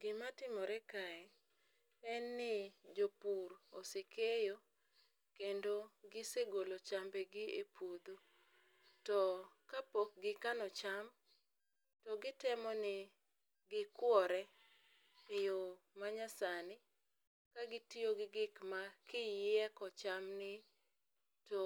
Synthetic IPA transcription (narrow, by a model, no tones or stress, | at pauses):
ɡɪmatɪmɔɾɛkaɛ | ɛnːɪd͡ʒopuɾosekejo | kendoɡɪseɡolot͡ʃambeɡɪepʰod̪o | tɔkapok̚ɡɪkanɔt͡ʃam | tɔɡɪtɛmɔnɪ | ɡɪkwɔɾɛ | ɪjo | maɲasanɪ | kaɡɪtioɡɪɡɪkmakɪjɛkɔt͡ʃamnɪ | to